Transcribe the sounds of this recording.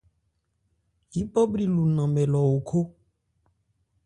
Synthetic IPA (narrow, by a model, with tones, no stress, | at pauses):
ji˨˦bɔ˦bɾi˦lu˨nã˨mɛ̃˨lɔ˨wo˨kʰo˦